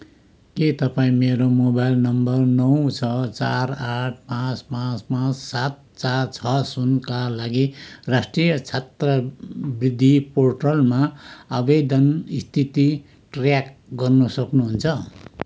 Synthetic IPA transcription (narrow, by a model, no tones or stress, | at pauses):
ket̪ʌpaĩmeɾomobajlnʌmbʌrnʌwt͡sʰʌt͡saraʈ̚ʰpãt͡spãt͡spãt͡ssat̪̚ | t͡sart͡sʰʌsunkalaɡirasʈrijʌt͡sʰat̪rʌbrid̪ʱːiporʈolmaʌbejd̪ʌnist̪ʰit̪i | ʈrjakɡʌrnʌsʌknuɦunt͡sʰʌ